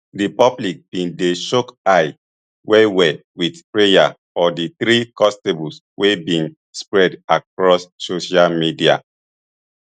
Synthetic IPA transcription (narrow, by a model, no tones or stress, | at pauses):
dipɔblik̚b̥ĩndeʃɔkaɪ | wɛwɛwidpɹeja̰ | ɔdiθɾikɔ̃stebls | wʔebĩn | spɹɛdak̚ɹɔsːoʃalmidia̰